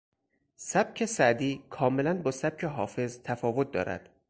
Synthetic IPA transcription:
sæb̥̚cʰe̞sæʔd̪iːkʰɒːme̞lænbɒːsæb̥̚cʰe̞ɦɒːfe̞zt̪ʰæfɒːvo̞t̪̚d̪ɒ̰ːɾæ̰d̪̥

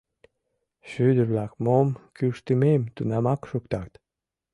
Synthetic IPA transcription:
ʃyd̪əβlækmomkyʃt̪əmemt̪unɑmɑkʃukt̪ɑt̪

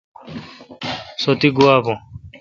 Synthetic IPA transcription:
sot̪iɡuaːbõ

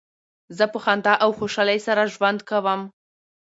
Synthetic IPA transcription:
zəpəxand̪ɑʔawxoʃɑlajsaɾaʒwand̪kawəm

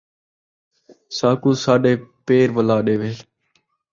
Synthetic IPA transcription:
saːkuːsaːɖeːpeːɾʋəlaːɗeːʋeː

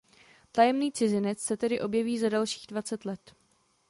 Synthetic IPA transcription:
t̪ajɛmniːt͡sɪzɪnɛt͡ssɛt̪ɛdɪʔo̞bjɛviːzadalʃi̥ːɣdvat͡sɛt̪lɛt̪

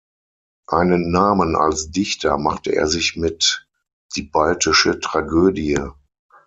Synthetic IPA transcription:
ʔaɪnənːaːməna̰lsd̥ɪçtʰɐmaχtəʔḛːɐzɪçmɪt | d̥iːbaltɪʃətʁ̥aɡøːdiə

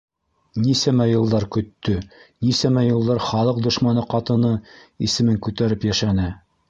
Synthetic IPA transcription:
nisæmæjɤ̆lˠd̪ɑɾkɵ̆t̪ːɵnisæmæjɤ̆lˠd̪ɑɾχɑlˠɤq̚d̪ŏʃmɑnɤqɑt̪ɤ̆nɤisɘ̆mɘŋkʉt̪æɾɘpjæʃænɘ

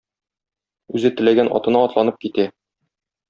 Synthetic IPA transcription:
ʉzɘt̪ɘ̆læɡænʔɒ̰t̪ɤ̆nɑɒt̪lˠɑnɤp̚kit̪æ

